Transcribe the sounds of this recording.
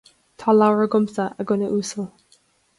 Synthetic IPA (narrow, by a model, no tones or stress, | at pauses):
t̪ʰɑːlawəɹəɡʊmsəʔəɡʊnəʔuːsəlˠ